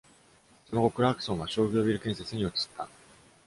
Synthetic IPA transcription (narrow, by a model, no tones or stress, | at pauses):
so̞no̞ɡo̞kɯɾakɯ̟̥õ̞ɰ̃aɕo̞ːɡʲo̞ːbʲiɾɯ̟kẽ̞ɰ̃se̞t͡sɨɲ̟io̞t͡si̥t̪ʰːa